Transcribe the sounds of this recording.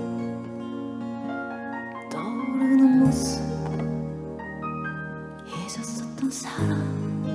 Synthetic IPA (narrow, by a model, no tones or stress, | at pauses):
t̪ʌɾɯnɯnmosɯ | esʌs͈ʌt̚t̪͈ːʌnsʰaɾam